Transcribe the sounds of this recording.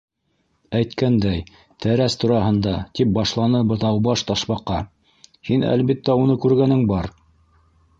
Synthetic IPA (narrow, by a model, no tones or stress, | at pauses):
æjt̪kænd̪æj | t̪ʰæɾæst̪uɾɑhɤ̆nd̪ɑt̪ip̚bɑʃlˠɑnɤbɤ̆ðɑwbɑʃt̪ɑʃβɑqːɑ | hinæ̰lβit̪ːæunɤkʉɾɡænɘŋbɑɾ